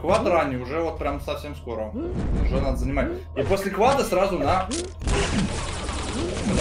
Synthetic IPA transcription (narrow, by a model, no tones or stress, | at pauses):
kvat̪ranʲːɪjʊʐɛvot̪̚pɾʲamsɐfsʲe̞msko̞ɾəʊʐɛnad̪əzənʲɪmatʲ | iposʲlʲɪkvad̪əsrazʊna